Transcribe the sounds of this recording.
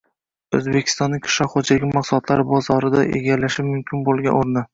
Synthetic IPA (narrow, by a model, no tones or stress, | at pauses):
ɵzbekʲʰɪ̥t̪ɒnːɪŋʲkʰʊ̥ʃɒχod͡ʒaɡʲɪmɑqsʊlˠɒt̪ʰlaɾɪbɒzɒɾɪd̪a̰ʔḛɡʲalaʃɪmʊmkʲʰɪnbolˠɡʲanoɾnɪ